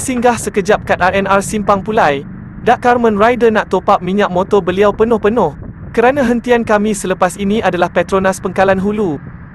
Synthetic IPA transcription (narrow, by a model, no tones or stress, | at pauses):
siŋɡahsəkəd͡ʒap̚kat̪arɛnarsimpaŋpulaj | daʔkarmə̃nrajdənaʔt̪opap̚mĩɲaʔ̚mot̪ɔbəliawpənʊhpənʊh | kəɾanãɦənt̪iankamĩsələpasinĩʔadalahpɛt̪ɾonaspəŋkalanɦulu